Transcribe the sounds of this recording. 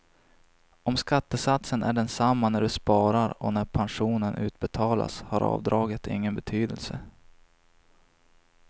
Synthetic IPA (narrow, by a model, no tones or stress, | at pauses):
ɔmskat̪ːəsat̪sənʔæɖɛnsamːanæɖɵspɑːɾaɾɔ̰næɾpʰanʂuːnənʔʉ̟ːt̪̚bɛt̪ʰɑːla̰shaɾʔɑ̰ːvd̪ɾɑːɡət̪ɪ̰ŋːənbɛt̪ʰyːd̪ə̰lsə